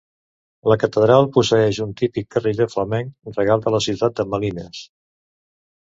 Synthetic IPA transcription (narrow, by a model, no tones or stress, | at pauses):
ləkət̪əðɾalˠpusəɛʃunt̪ipikːəriðəfləmɛŋrəɣalˠd̪ələsiwt̪at̪̚d̪əməlinəs